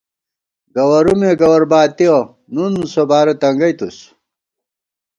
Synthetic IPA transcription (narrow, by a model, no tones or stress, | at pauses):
ɡɐwɐɾumeɡɐwɐɾbaːt̪io | nunsobaːɾɐt̪ɐŋɡɐjt̪us